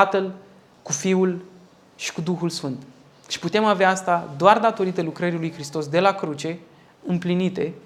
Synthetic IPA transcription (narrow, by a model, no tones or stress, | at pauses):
at̪əl | kufiul | ʃi̥kud̪uxulsfɨnt̪ | ʃi̥put̪e̞maveaast̪ad̪oard̪at̪o̞ɾit̪əlukɾəɾilujxɾist̪o̞sd̪e̞lakɾut͡ʃe̞ | ɨmplinit̪e̞